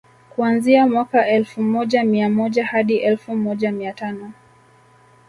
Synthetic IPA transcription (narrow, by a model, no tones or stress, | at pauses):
kuanziamwakaʔɛlfumɔʄamiamɔʄahaɗiʔɛlfumɔʄamiatanɔ